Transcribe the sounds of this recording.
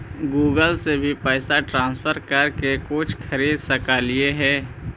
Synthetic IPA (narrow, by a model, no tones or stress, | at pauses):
ɡuːɡəlsebʱipɛːsaʈɾãːnspʰəɾkɐɾkekʊt͡ʃʰkʰəɾiːd̪səkaːlieɦɛː